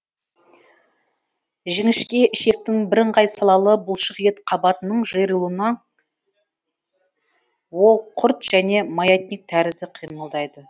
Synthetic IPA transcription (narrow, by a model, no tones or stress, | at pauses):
ʒɪŋɪʃkʲe̞ʔɪʃe̞k̚t̪ɪŋbɪɾɪɴqɑjsɑlˠɑlˠəbʊlˠʃəqjet̪qʰɑbɑt̪ənəɴʒəjɾəlˠuənɑ | wo̞lˠqʰʊɾt̪ʒ̥æne̞mɑjet̪̚nʲik̚t̪ʰæɾɪzɪqʰijməlˠd̪ɑjd̪ə